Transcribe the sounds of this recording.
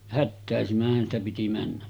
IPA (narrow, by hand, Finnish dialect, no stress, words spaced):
hætːæˑesimæhˑæn stæ piti mænːæs